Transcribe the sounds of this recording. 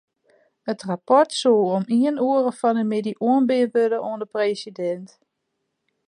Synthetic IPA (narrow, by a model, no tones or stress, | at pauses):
ətrapɔrtsulˠomiənuəɾəfɔnəmɪdiʔuənbɪtʋødəʔoəndəpreːsidɛnt